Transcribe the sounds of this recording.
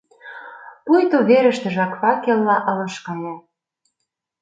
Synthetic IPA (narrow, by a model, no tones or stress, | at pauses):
pujt̪oβeɾə̆ʃt̪ə̆ʒɑkfɑkelːɑʔɤ̆lɤ̆ʃkɤ̆ne